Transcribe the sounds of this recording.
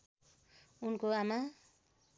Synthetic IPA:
unkoama

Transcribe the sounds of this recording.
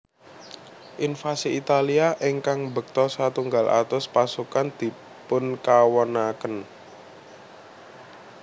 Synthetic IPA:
ʔinfasiit̪aliaʔɪŋkaŋbə̤k̚t̪ɔsat̪uŋɡalʔa̰t̪ʊspasukand̪̥i̤ | pʊnkawənakən

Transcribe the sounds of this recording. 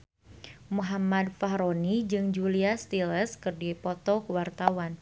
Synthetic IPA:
muɦamad̚faɦɾonid͡ʒɨŋd͡ʒuliast̪iləskɨrdipɔt̪ɔkəwart̪awan

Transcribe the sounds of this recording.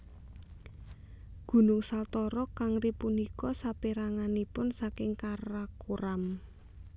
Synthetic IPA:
ɡ̥ṳnʊŋsalt̪ɔɾɔkaŋripunikɔsapiɾaŋanipʊnsakɪŋkarakuɾam

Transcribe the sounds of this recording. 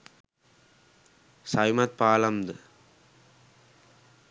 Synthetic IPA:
sɐjmɐt̪̚paːlɐmd̪ɨ

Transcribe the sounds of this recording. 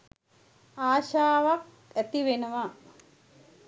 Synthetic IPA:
aːʃaːʋak̚ | æt̪iʋenəʋa

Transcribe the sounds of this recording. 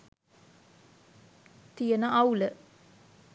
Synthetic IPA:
t̪ijənəʔawlə

